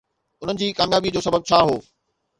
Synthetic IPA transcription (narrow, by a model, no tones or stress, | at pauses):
ʊn̤ənɪ̆d͡ʑiːkaːmjaːbid͡ʑoːsɐbəb̚t͡ɕʰaːɦoː